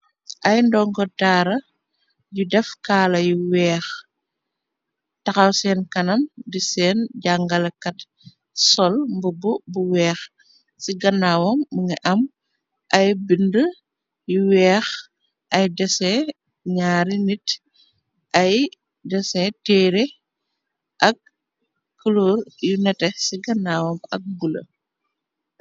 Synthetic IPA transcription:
ʔɐjndɔŋkɔtaːɾɐ | judɛfkaːlɐjuwɛːx | tɐxɐwsɛːnkɐnɐmdisɛːnɟaŋɡɐlɐkɐt | sɔlmbububuwɛːx | siɡɐnːawɔmːuŋɛʔɐm | ʔɐjbində | juwɛːx | ʔɐjdɛsɛ | ɲaːɾinit | ʔɐj | dɛsɛtɛːɾe | ʔɐk̚ː | uloːrjunɛtɛsiɡɐnːaːwɔmɐk̚ɡulɐ̰

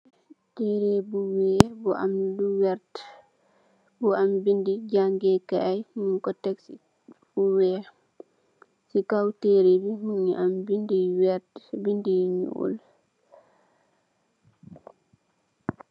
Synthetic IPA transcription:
teɾebuwɛbɔʔa̰mduwɛɾt | bɔambindid͡ʒaŋɡɛkaajhninkɔtːɛksi | buwɛ | sikawtɛɾebihuniʔambindiwɛɾtbindiɲṵʔṵl

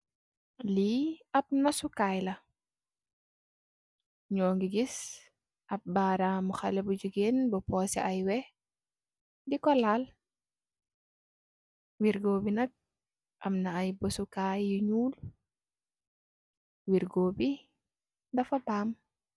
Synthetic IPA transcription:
liɐp̚nɐsukaːjlɐ | ɲɔːŋɡiɡis | ɐp̚baːɾamuxɐlɛbud͡ʒuɡeːnbɔpɔːsɛʔɐjwɛ | dikɔlaːl | wiɾɡoːbinɐk̚ | ʔɐmnɐːjbɔsukajːuɲuːl | wiɾɡoːbi | dɐfɐbaːm

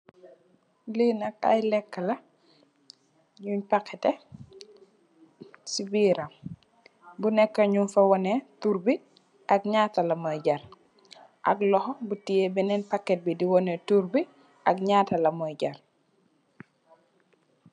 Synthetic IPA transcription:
liːnɐkɐ̰jlɛkːɐlɐ | ɲuɲpakʰːɛtɛ | sibiːɾɐm | bunɛkːɐɲunfɐwɔnɛtuɾbi | ʔɐkɲaːtɐlɐmɔjɟɐɾ | ʔɐ̰klɔxɔbutijɛbɛnɛnpɐkːɛt̚bidiwɔnɛtuɾbi | ʔɐk̚ɲaːtɐlɐmɔjɟɐr

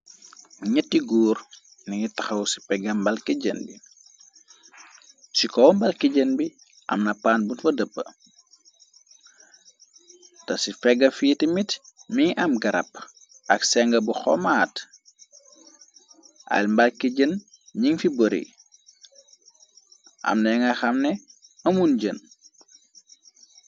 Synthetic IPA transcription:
ɲətːiɡuːr | nɐŋitɐxɐwsi̥fɛɡɐmbɐlkiɟənbi | sikɔwmbɐlkiɟənbi | ʔɐ̰mnɐpaːnbunfɐdəpːə | tɐsifɛɡːɐfiːtimitmiʔɐmɡɐɾɐ̰p̚ː | ʔɐksɛŋɡɐbuxɔ̰maːt | ʔɐ̰lmbɐlkiɟən | ɲiŋfibəɾḭ | ʔɐ̰mnɛŋɐxɐmnɛɐmunɟən

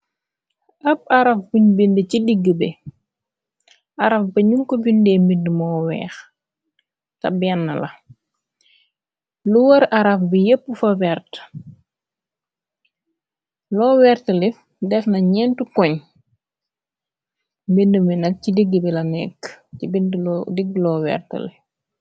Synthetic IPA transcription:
ʔɐp̚ɐɾɐfbuɲbindəcidiɡːəbɛ | ʔɐɾɐfbɐɲuŋkɔbindɛːmbindəmɔːwɛ̰ːx | tɐ̰bɛnːɐlɐ | luwɐɾɐɾɐfbijəpːəfɐwɛrt | lɔːwɛrtəlif | dɛfnɐɲɛntukɔɲ | mbindəminɐcidiɡːəbilɐnɛ̰kːcibindlːdiɡːlɔːwɛ̰rtə̰li

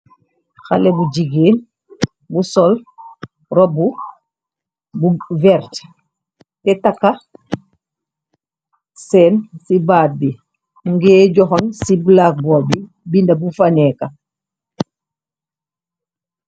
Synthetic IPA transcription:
xalebuɟiɡeːn | busɔl | ɾɔbu | buvɛɾt | tɛtakːa | sɛnsibaːt̚bi | muŋɡɛːɟɔxɔnsibulak̚bɔːbi | bindabufaneka

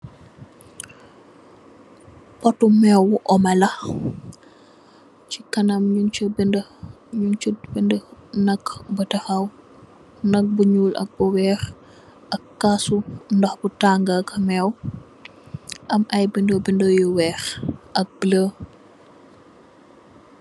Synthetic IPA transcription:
pɔtumɛwuʔɔmɐlɐ | cikɐnɐmɲubn | ɲunt͡ʃubəndənɐkbətɐxɐw | nɐk̚buɲuːlʔɐ̰k̚buwɛːɾ | ʔɐkːasundɔxbutaːŋɡakɐmɛw | ʔɐmɐjbindobindojuwɛːɾʔɐk̚blə

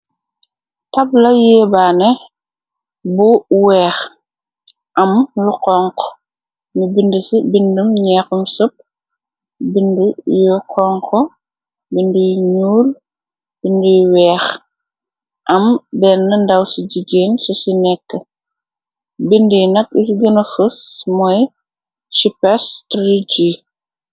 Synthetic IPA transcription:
tɐblɐjɛːbaːnɛ | buwɛːx | ʔɐmluqɔŋkɔ | mibindəsibindumɲɛxumsop̚ | bindəjuqʰɔŋkʰɔ | bindujɲuːl | b̥indujuwɛːx | ʔɐmbɛɾnɐndɐwsid͡ʒiɡeːnsɔsinɛkːə | bindijnɐk̚is̬ɡɐnɐfəsmɔj | t͡ʃipɛstɾid͡ʒiː

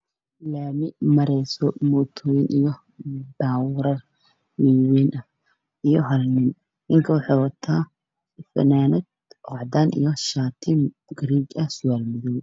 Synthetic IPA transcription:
laːmɪmɐɾɛjsɔmɔːt̪ʰɔːjɪnʔijɔ | baːwɾɐr | wiːwɛːnʔɐ | ijɔɦɐlnɪn | nɪŋkʰɐwɑħɑːwɐt̪ʰaː | fɐ̰naːnɛd̪̚ | ɔʕd̪aːnʔḭjɔʃaːt̪ʰɪm | ɡɾiːɡɐhsʊjaːlmɪðɔw

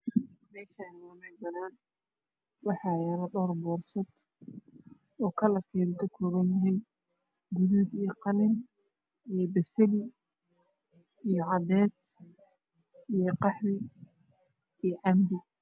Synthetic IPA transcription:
mɛːʃɐnlɐmɛbɐnaːn | wɑħɑjaɾɐɖɔrbɔːrsɐd̪ | ɔːkʰɐlɐrkʰɛːɣuːkʰɐkʰɔːβɐnjɐɦɛj | ɡuðubijɞqɑlɪn | ijɔbɐsɐli | ijɔʕɑd̪ɛːs | ijɞqɑħwɪ | ijʕɑmbɪ

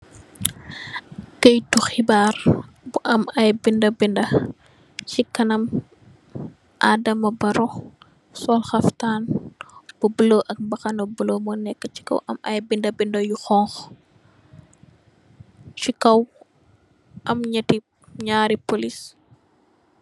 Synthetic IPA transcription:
kɐjtuxibaːr | buʔɐmɐjbindɐbindɐ | t͡ʃikɐnɐm | ʔaːdɐmɐbɐɾɔ | sɔlxɐftaːn | b̥ubəloʔɐk̚bɐxɐnɐbəlomɔnɛkːət͡ʃi̥kɐ̰wʔɐ̰mɐ̰jbindɐbindɐjuxɔŋx | t͡ʃikɐw | ʔɐmɲɐti | ɲaːɾipolis

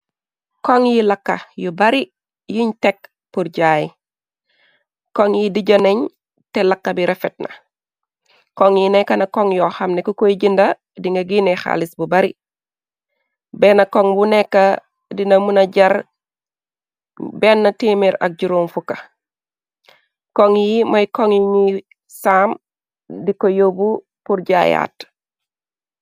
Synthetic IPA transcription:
koŋjilɐkːɐ̰jubɐɾi | jiɲtek | puɾɟaːj | koŋjidiɟɐneɲ | telakːɐbiɾʔefet̚nɐ̰ | koŋjinɛkɐnɐkoŋjoxɐmnekukojɟindɐ | diŋɡɐɡinexa̰lisbubɐɾi | benɐkoŋbunekːa | dinɐmunɐɟɐɾ | bɛnːɐtimeɾɐ̰k̚ɟuɾumfukɐ | koŋjimɐjkoŋiɲi | saːm | dikojobu | puɾɟaja̰ːt

